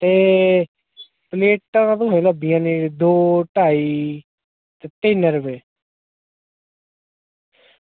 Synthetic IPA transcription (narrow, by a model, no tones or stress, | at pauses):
t̪eː | pleːʈãt̪õɦeləbijãːniːd̪oːʈaːiː | t̪eːt̪eːnəɾəpeː